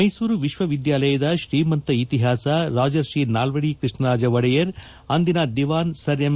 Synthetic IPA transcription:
ɐjsuːɾuʋiʃʋɐʋid̪jaːlɐjɐd̪ɐʃɾiːmɐnt̪ɐit̪iɦaːsɐɾaːd͡ʒɐɾʃiːnaːlʋɐɽikɾɨʂɳɐɾaːd͡ʒɐʋɐɽɐjɐɾ | ɐnd̪inaːd̪iʋaːnsɐɾjɐm

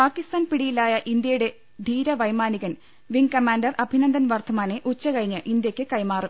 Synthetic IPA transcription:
paːkːist̪aːnpiɽijilaːjɐʔind̪jɐjuɽe̞ | d̪ʱiːɾɐʋɐjmaːniɣɐn | ʋiŋkɐmaːnɖɐrɐbʱinɐnd̪ɐnʋɐrt̪ʰɐmaːneʔut͡ɕːɐkɐɻiɲːɨʔind̪jɐkʲːɨkɐjmaːrɨ

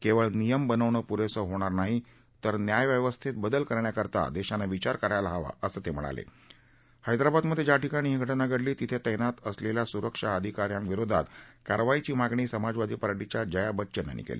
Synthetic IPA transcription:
keʋəɭnijəmbənəʋɳəpuɾesəɦoɽ̃aɾnaɦi | t̪əɾnjajʋjəʋəst̪ʰit̪̚bəd̪əlkəɾɳjakəɾt̪a̰d̪eɕanaʋit͡ɕaɾkəɾajlaɦaʋa̰əsəːt̪em̤əɭa̰lḛ | hajd̪ɾabad̪məd̪ʱːjed͡ʑjaʈikaɽ̃iːɦiɡʱəʈnaɡʱəɽliːt̪it̪ʰet̪əjnat̪əsleljasuɾəkʂaəd̪ʱikaɾjãŋkʋiɾod̪ʱa̰t̪ka̰ɾʋait͡ɕiːmaɡɳ̃iːsəmad͡zʋad̪ʱiːpəɾaʈit͡ɕjad͡ʑəjabətːɕəna̰nḭkḛlḭ

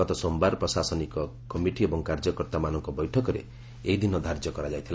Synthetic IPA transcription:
ɡɔt̪ɔsombaɾpɾɔsasɔnikɔkɔmiʈiebɔŋkaɾd͡ʒɔkɔɾt̪amanɔŋkɔbɔjʈʰɔkɔɾḛ | eɦid̪inɔd̪ʱaɾd͡ʒjɔkɔɾad͡ʒajt̪ʰila

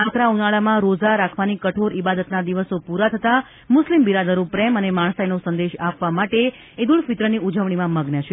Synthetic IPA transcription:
akɾaunaɭamãɾod͡ʒaɾakʰʋanikəʈʰoɾibad̪ət̪nad̪iʋəsopuɾat̪ʰət̪a | mʊslimbiɾad̪əɾũpɾɛmənemaɳsajnosənd̪eʃapʋamaʈe | ed̪uɭfit̪ɾəniud͡ʒəʋɳ̃imãməɡnət͡ʃʰe

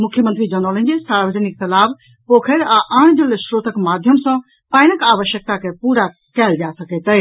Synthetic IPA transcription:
mʊkʰjəmə̃nt̪ɾid͡ʒənɔlə̃nd͡ʒisaɾʋəd͡ʒənɪik̚t̪ɐlaːb | pokʰəɾaʔãːɳ̃d͡ʒəlesɾoːt̪əkmad̪ʱjəmsə̃ | pãːɪnəkaːʋəʃjək̚t̪akepuːɾa | kɛːld͡ʒasəket̪ə

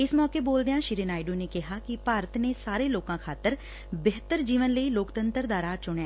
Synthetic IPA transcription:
ɪsmɔːkeːboːld̪ejãːʃɪɾinaːɪɖuːneːkɪɦaːkɪpaːɾət̪neːsaːɾeːloːkãːkʰaːt̪əɾ | bɪɦt̪əɾd͡ʒiːʋənləiːloːkt̪ənt̪ɾd̪aːɾaːt͡ʃʊɳɛ̃ː

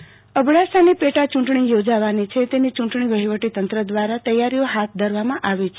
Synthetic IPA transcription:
əbɽasanipeʈat͡ʃũɳʈɳijod͡ʒaʋanit͡ʃʰet̪enit͡ʃũɳʈɳiʋəɦiʋəʈit̪ənt̪ɾəd̪ʋaɾat̪əjaɾijoɦat̪̚ʰd̪ʱəɾʋamãʔaʋet͡ʃʰe

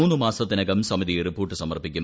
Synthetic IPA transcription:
uːnːɨmaːsɐt̪ːinɐɡɐmsɐmiðijripːoːʈːɨsɐmɐrpikʲːu

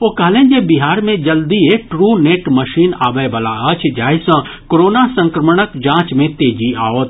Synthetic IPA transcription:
oːkɐɦlẽːd͡ʒebiɦaːɾmẽd͡ʒɐld̪ieʈɾuːneːʈməʃiːnaːbəbəlaət͡ʃʰd͡ʒaːisə̃ | koɾoːnasə̃ŋkɾəməɽ̃əkd͡ʒãːt͡ʃmẽt̪eːd͡ʒia̰ːʋot̪

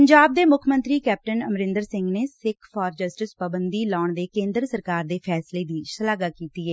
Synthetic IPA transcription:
əɲd͡ʒaːb̚d̪eːmʊkʰmə̃nt̪ɾiːkɛːp̚ʈənəmɾɪ̃nd̪əɾsɪ̃ŋɡneːsɪkʰfɔːɾd͡ʒəsʈɪspəbənd̪iːlaːɳd̪eːkẽːnd̪ɾəsəɾkaːɾd̪eːpʰɛːsleːd̪iːsəlaːɡaːkiːt̪iːɛː

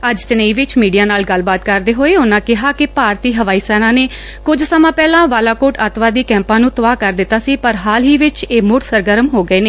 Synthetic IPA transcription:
əd͡ʒt͡ʃənəiːʋɪt͡ʃmiːɖijaːnaːlɡəlbaːt̪kəɾd̪eːɦoːeːʊnãːkɪɦaːkɪpaːɾt̪iːɦəʋaːiːsɛːnãːneː | kʊd͡ʒsəmãːpɛːlãːʋaːlaːkoːʈət̪ʋaːd̪iːkɛ̃ːmpãːnũːt̪əʋaːkəɾd̪ɪt̪ːaːsiːpəɾɦaːlɦiːʋɪt͡ʃeːmʊʈ̪səɾɡəɾəmɦoːɡəeːneː

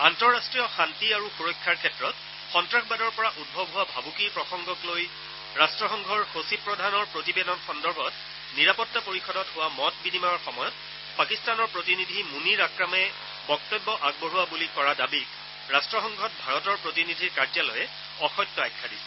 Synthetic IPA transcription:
antɔɹːastɹijɔxantiaɹuxuɹɔkʰːaɹkʰɛtɹɔt | xɔntɹaxbadɔɹpɔɹaʔud̚bʱɔbʱɦʊwabʱabukiɹpɹɔxɔŋɡɔkloj | ɹastɹɔxɔŋɡʱɔɹxosipɹɔdʱanɔɹpɹotibɛdɔnxɔndɔɹbʱɔt | niɹapɔtːapoɹixɔdɔtɦʊwamɔt̚binimaɔɹxɔmɔjɔt̚ | pakistanɔɹpɹotinidʱimuniɹakɹamɛ | bɔk̚tɔbːɔʔaɡ̚bɔɹuwabulikɔɹadabik | ɹastɹɔxɔŋɡʱɔt̚bʱaɹɔtɔɹpɹotinidʱiɹkaɹzalɔjɛ | ɔxɔjtːɔajkʰːadisɛ̥

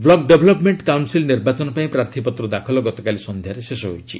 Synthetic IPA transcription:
blɔɡɖebʱɔlɔpmeɳʈkawnsilniɾbat͡ʃɔnɔpaĩpɾaɾt̪ʰipɔt̪ɾɔd̪akʰɔlɔɡɔt̪ɔkalisɔnd̪ʱjaɾesesɔɦojt͡ʃʰḭ

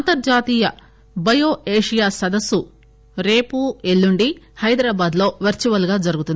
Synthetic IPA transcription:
ɐnt̪ɐɾd͡ʒaːt̪iːjɐ | bɐjo̞ːeːʂijaːsɐd̪ɐsu | ɾe̞ːpue̞lːuɳɖihɐjd̪ɾaːbaːd̪lo̞ːʋɐɾt͡ʃiʋɐlɡaːd͡ʒɐɾuɡut̪und̪i

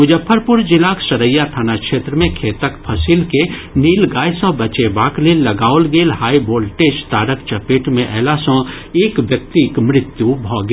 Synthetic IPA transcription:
mʊd͡ʒəpʰːəɾpʊɾd͡ʒɪlaːksɐɾəjːat̪ʰaːnakʃeːt̪ɾəmẽkʰeːt̪əkpʰɐsilkeniːlɡaːjsɔ̃ːbɐt͡ʃebaːklelɐɡaːʊlɡeːlhaːiboːlʈeːd͡ʒt̪aːɾəkt͡ʃɐpeːʈmẽʔɛːlasɔ̃ | eːkʋjək̚t̪ikmɾɪt̪jubʱɔːɡ

